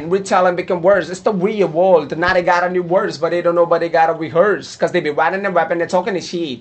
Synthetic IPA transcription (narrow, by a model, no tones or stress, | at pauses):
nwitʰɛlˠə̃nbɨkʌ̃mwɜ˞sɨtstəwiəwɔlˠdnət̚eɡɑɾənjuwɜ˞dsbʌt̚ðeɪdõʊ̃nːoʊbʌeɡɑɾəwiɦɜ˞skʌzðeɪbiwæɾɪ̃ŋɨ̃nwɛpɨ̃nɨ̃tʰɔkɪ̃ŋtɨʃi